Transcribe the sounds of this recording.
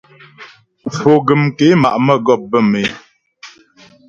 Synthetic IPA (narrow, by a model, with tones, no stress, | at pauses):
fo˨ɡə˨mke˨˦ma̰˨ʔmə˦˨ɡɔ˦˨p̚bə˦˨me˨˦